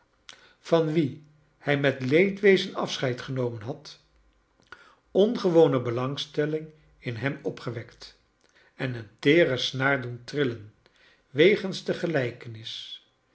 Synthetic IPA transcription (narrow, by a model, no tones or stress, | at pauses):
v̥ɑnʋi | hɛjmɛtlejtʋejzənɑ̰fsχɛjtχənowmənɦɑt | ɔnχəʋownəbəlɑŋstɛlɪŋ | ɪnɦɛmɔpχəʋɛkt | ɛnəntɪːrəsnaːɹduntrɪlən | ʋejχənzdəχəlɛjkənɪs